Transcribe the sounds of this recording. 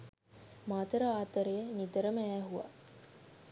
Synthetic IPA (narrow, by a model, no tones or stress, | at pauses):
maːt̪əɾəaːt̪əɾejənid̪əɾəməæːɦuʋa̰